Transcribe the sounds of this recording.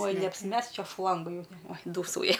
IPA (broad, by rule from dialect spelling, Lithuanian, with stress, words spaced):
oːj nʲɛɐpʲsʲɪˈmʲɛsk ˈt͡ʃʲɛ ˈʃlˠɐŋɡɐ ˈjɛʊ oːj ˈduːsɐʊjɛ